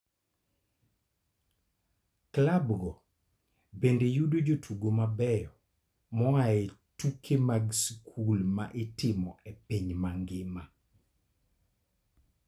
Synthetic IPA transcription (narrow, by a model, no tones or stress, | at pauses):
klabɡɔ | bendejudod͡ʒotʰuɡomabɛjɔ | mɔajetukʰemaɡskʰulma̰ʔɪtɪmɔepiɲmaŋɡɪma